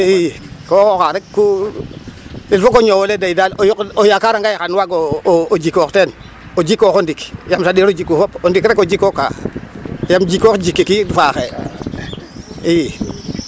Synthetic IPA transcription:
ikokokaɾekku | ilfokoɲowoledaidalojokojakaɾaŋɡajxanwaɡood͡ʒikoxten | od͡ʒikːoxondikjamsadeɾod͡ʒikːufopondikɾekod͡ʒikoka̰ | jamd͡ʒikːokd͡ʒikːikidfaxe | i

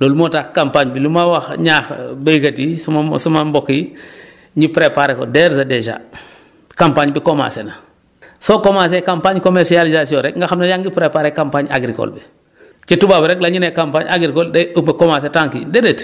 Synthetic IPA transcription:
loːlumotakkampaːɲbilumawaxɲaːxbejkatismsumambɔki | ɲipɾepaɾeko̰dɛɾsadeʃa̰ | kampaɲbikoma̰ːsena | sokomasekampaɲkomeɾsializasiɔ̃ɾɛk̚ŋɡaxamnajaŋɡipɾepaɾekampaɲa̰ɡɾiko̰lbi | t͡ʃitubabiɾɛklaɲinekampaɲaɡɾikoldeopekomasetaŋkḭdedet

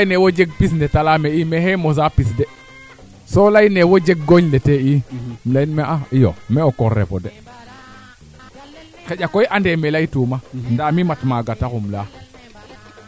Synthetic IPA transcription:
lajnewod͡ʒeɡ̚pis̬ndetalameimeɦemos̬apisde | solajnewod͡ʒeɡ̚ɡoɲleteimlainmeʔaijo̰meokoɾːḛpo̰de | xeʄʲakojʔandemelaitumandamimatmaɡatakumla

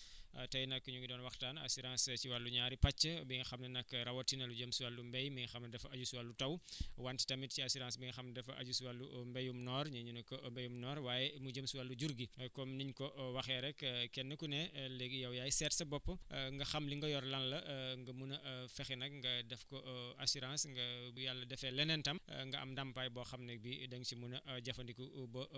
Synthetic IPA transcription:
tɐjnɐkːɲuŋɡidɔːnwɐxtaːnɐ̰suɾaːnst͡ʃiwalːuɲaːɾipɐt͡ʃːɐbiŋɡɐxɐmnɐnɐkːɾɐwɐtːinɐluɟəmsuwalːumbɛjmiŋɡɐxɐmnɐdɛfɐɐɟusiwalːutɐwwanti̥tɐmit̚ciɐsiɾansbiŋɡɐxɐmdɛfɐʔɐ̰ɟusiwalːumbɛjumnɔːɾɲɐɲunɐkːɔmbɛjumnɔːɾwaːjɛmud͡ʒəmsiwalːuɟuɾɡikɔmniɲkɔʔwɐxɛɾɛkkɛnːɐkunɛlɛɡjɐwjajsɛtsɐbɔpːɐŋɡɐxɐmliŋɡɐjɔɾlɐnlɐŋɡɐmunɐfɛxinɐk̚ŋɡɐdɛfkɔasuɾãsŋɡɐjalːɐdɛfɛlɛnɛntɐm̰ŋɡɐɐ̰mdɐmpajbɔxɐmnɛk̚bidɐŋt͡ʃimunɐʔɟɐfɐndikubɐ

